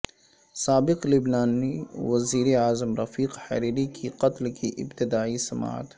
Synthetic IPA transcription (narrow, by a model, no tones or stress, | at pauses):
saːbɪqlɪbnaːniwɐziːɾeaːzəmɾɐfiːqhɐ̰ɾiːɾikʰiqɐt̪lkiʔɪ̰bt̪ɪd̪aːisɐma̰ːə̰t̪